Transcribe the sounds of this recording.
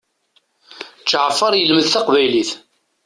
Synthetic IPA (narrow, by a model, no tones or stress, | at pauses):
t͡ʃːʕfːəɾˤjəlməðθɑqvæjliθ